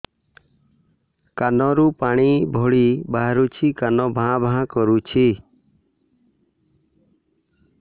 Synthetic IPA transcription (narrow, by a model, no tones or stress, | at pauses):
kanɔɾupaɽ̃ibʱɔɭibaɦɾut͡ʃʰikanɔbʱãbʱãkɔɾut͡ʃʰi